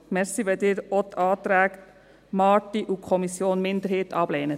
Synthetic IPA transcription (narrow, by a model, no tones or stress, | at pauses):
mɛɾsiʋɛld̪ɪːɾɔt̪ʰɑːt̪ɾæːk | mɑːtiʔukʰχɔmisjoːnmɪnd̪əɾheːtɑb̥lɛːnə